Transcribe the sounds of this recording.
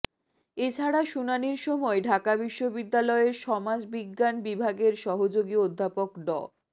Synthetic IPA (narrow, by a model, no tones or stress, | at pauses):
et͡ɕʰaɽaʃunaniɾʃɔmɔeɖʱakabiʃːobid̪ːalɔeɾʃɔmad͡ʑbiɡːanbibʱaɡeɾʃɔɦod͡ʑoɡiod̪ʱːapokɖɔ̰